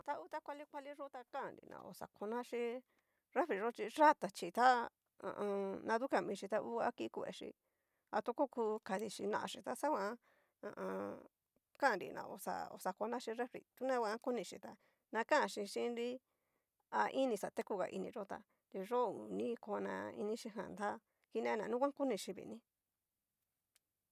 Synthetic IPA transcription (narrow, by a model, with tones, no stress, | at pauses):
t̪a˦˧u˦t̪a˦kʷa˧li˦kʷa˧li˦ʐo˦t̪a˧kã˦ã˨ɾḭ˨nʔã̰˨˧o̰˧sa̰˨kʰo˧nã˦ʃĩ˧ | ɾe˦fɾi˨ʐo˦t͡ʃi˧ʐa˦t̪a˨t͡ʃi˧t̪a˦ | ã̰˧ʔnã˧ðu˦ka˧mĩ˧ʃi˧t̪a˧ʔu˦a̰˦ki˦ku˧˨ḛ˧˨ʃḭ˧ | a˧t̪u˦ko˦ku˧ka˧ði˧ʃi˧nã̰˧ʔa˧ʃi˧t̪a˦sa˦kʷã˧˦ | ã̰˧ʔ | kã˦˨ɾḭ˧nã̰˨˧o̰˧sa̰˧o̰˧sa˧ko˧nã˦ʃi˧ɾe˦fɾḭ˧˨t̪u˦nã˦wʷã˧˦ku˦nĩ˧ʃi˧t̪a˧ | nã˧kã˦ã˧ʃi˧ʃĩ˦nɾi˦ | a˧ʔi˦nĩ˧sa˨t̪e˦ku˧ɣa̰˨ʔḭ˧nĩ˧ʐo˦t̪a̰˧ | ɾi˧ʐo˦˨u˨nĩ˦ko˧nã̰˧ḭ˧nĩ˦ʃi˧ɦã̰˨nd̪a˦ | ki˧nẽ˦˧nã˨nũ˦kʷã˦ku˦nĩ˧ʃi˧βḭ˨˧nĩ˦